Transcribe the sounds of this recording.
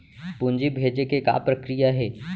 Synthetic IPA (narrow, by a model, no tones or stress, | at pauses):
pund͡ʒibʱeːd͡ʒekeka̰pɾɐkɾijaɦɛː